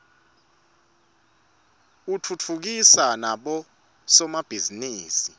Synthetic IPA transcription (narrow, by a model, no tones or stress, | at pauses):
utʰut͡fʰuk̬isanaɓɔ | sɔmab̥ʱiziniːsi